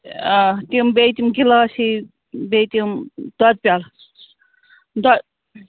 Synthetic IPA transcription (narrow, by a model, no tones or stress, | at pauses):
t̪imbet̪ʲimɡilasi | bejt̪imd̪̥ʌd̪̚pʲal | d̪əd̪